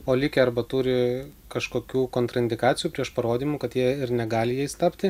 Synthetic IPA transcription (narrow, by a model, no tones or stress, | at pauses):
oːlʲɪkʲɛɐrbɐt̪uːɾʲɪkɐʃkoːkʲuːkoːnt̪ɾɐɪnʲd̪ʲɪkɑːt̪sʲɪjuːpʲɾʲiɛʃpɐɾoːd̪ʲiːmukɐt̪jiɛɪɾnʲɛɡɑːlʲɪjɛjst̪ɑpʲt̪ʲɪ